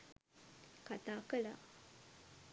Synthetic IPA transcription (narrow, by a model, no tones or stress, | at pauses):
kat̪akəla